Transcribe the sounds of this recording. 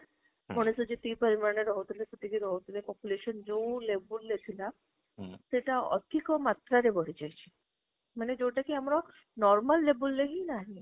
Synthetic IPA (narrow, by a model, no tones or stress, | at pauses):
mɔñesud͡ʒit̪ipəɾimaɾneɾɔɦot̪ʰileseʈ̪ikiɾɔɦot̪ʰilepɔpjuleʃɔnd͡ʒewlebulːet̪ʰila | seʈaɔ̰t̪ʰikɔmat̪ɾaɾebɔɾid͡ʒajt͡ʃʰi̥ | maned͡ʒewʈakiamɾɔ | nɔɾmalːebulːeɦinaɦĩ